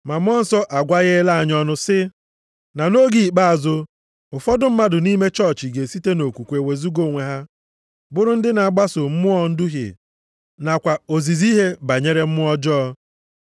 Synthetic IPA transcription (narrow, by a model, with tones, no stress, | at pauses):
ma˨m˦ɔ˦n̩˨sɔ˦ʔa˨ɡʷa˦ɣe˦la˦a˨ɲɔ˦nʊ˦sɪ˦ | na˨no˦ɡi˨i˨k͡pa˦a˨zʊ˦ | ʊ˨fɔ˦dʊ˦m̩˦ma˦dʊ˨ni˦me˦t͡ʃɔ˦ɾt͡ʃi˨ɡe˨si˦te˦no˨kʷu˨kʷe˨we˨zu˦ɡo˦˨ŋʷe˨ɦa˦ | bʊ˦ɾʊ˦n̩˦dɪ˦na˨a˨ɡ͡ba˦sʊ˨m̩˦mʊ˦ɔ˦n̩˦dʊ˦ɦɪ̰˨ | na˨kʷa˨o˨zi˨zi˦ɦe˦ba˨ɲe˦ɾe˦m̩˦mʊ˦ɔ˦d͡ʒɔ˦